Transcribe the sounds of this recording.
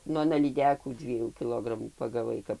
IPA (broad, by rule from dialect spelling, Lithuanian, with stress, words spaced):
ˈnʊ ɐˈnɐ lʲiːˈdʲæːkuː ˈdʲʋʲiɛjuː kʲɪˈlˠoːɡrɐmuː pɐɡɐˈʋɐɪ ˈkɐp